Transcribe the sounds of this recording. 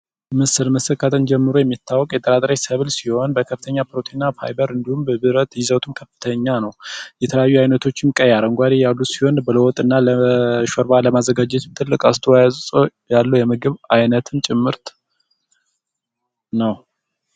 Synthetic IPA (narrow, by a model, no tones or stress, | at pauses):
mɨsɨlməsɨkʰat̪ʰɨnd͡ʒɛmːɨɾojɛmːit̪ʰːawːɔkʼjɛt̪ʼəɾat̪ʼɾajsəβlsiho̞nbəkʰəfɨt̪ʰəɲːapɾot̪ʰinafa̰jbəɾɨnd̪ihumbəbɨɾət̪jɪzət̪ʰɨmkʰəfːɨ̥t̪ʰəɲːanəwjɛt̪ʰələjajːuajnət̪ʰo̞t͡ʃːɪnkʼːəjaɾəŋɡʷad̪ijalːusi̥ho̞nbələwɔt̪ʼɨnːaləʃɔɾbaləmazːəɡad͡ʒɛt̪t̪ʰɨlːɨkʼast̪ʰəwajazsʼojalːujɛmɨɡɨβajnət̪ʰɨnt͡ʃʼɪmːɨɾt̪ | nəw